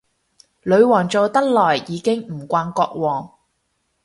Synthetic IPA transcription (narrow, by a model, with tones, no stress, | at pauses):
lɵ˨˧ɥwɔː˨˩ŋt͡so˨wt̪ɐ˥k̚lɔː˨˩jːiː˨˧kɪ˥ŋm̩˨˩kʷwaː˧nkɔː˧k̚wɔː˨˩ŋ